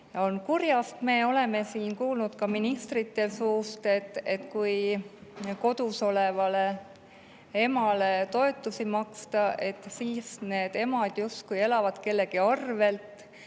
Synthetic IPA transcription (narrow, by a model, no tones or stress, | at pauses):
jɑonkurjɑst̪me̞ːo̞le̞me̞siːnkuːlnud̪̥kɑminist̪rit̪ːˑe̞suːst̪e̞t̪ːˑe̞t̪kuj | ko̞d̪̥uso̞le̞vɑle̞ | e̞mɑle̞t̪o̞e̞t̪ːˑusimɑkst̪ɑʔe̞t̪ːˑsiːsne̞ːd̪̥e̞mɑd̪̥just̪kuje̞lɑvɑd̪̥ke̞lːe̞ɡiɑrve̞lt̪ˑ